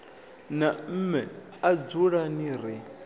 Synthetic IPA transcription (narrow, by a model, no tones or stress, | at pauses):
nam̩mɛ | ad͡zuɺaniɾi